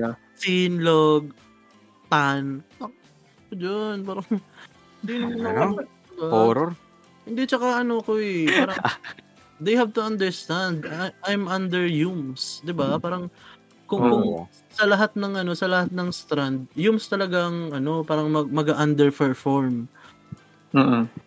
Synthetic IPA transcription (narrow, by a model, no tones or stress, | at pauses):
sinloɡ̚ | t̪anɐk | od͡ʒanpaːɾɐŋ | hɪnd̪inɐmɐnk̪ | ɪbaoːɾoɾ | hɪnd̪it͡ʃɐkaʔɐnoɐkoɛpaːɾɐ | d̪ejhavt̪ʊɐ̃nd̪ɛɹst̪and̪ʔajmɐ̃nd̪ɛɹjumsd̪ɪbapaːɾɐŋ | kʊkʊŋ | sɐlɐɦat̪̚nɐŋʔɐno̞sɐlɐhat̪̚nɐŋst̪ɾand̪̚jumst̪ɐlɐɡaŋɐno̞paːɾɐŋmɐɡ̚mɐɡaʔɐnd̪ɛɹpɛɹfoɹm